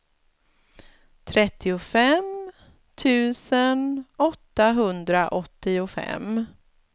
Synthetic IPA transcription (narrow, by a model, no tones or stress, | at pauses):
t̪ʰɾɛt̪ʰːɪʊfɛm | t̪ʰʉ̟ːsənɔt̪ːaɦɵnd̪ɾaʔɔt̪ːɪʊfɛ̰m